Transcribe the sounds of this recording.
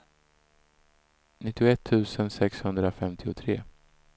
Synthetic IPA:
nɪt̪ːɪʊɛt̪ʰːʉ̟ːsənsɛkshɵnd̪ɾafɛmt̪ʰɪʊt̪ʰɾeː

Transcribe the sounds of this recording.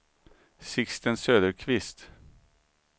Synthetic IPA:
sɪkst̪ənsøːd̪əɾkʰvɪst̪

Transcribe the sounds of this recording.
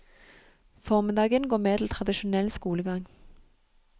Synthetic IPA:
fɔːʁmɪd̪ɑːɡənɡoːmeːt̪ʰl̩t̪ʰʁɑd̪ɪʃʊnɛlskuːləɡɑŋ

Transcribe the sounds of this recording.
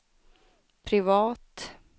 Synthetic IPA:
pʰɾɪvɑːt̪

